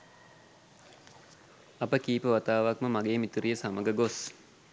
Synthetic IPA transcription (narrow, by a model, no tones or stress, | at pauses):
apəkiːpəʋat̪aːʋakməmaɡeːmit̪uɾijəsaməɡəɡos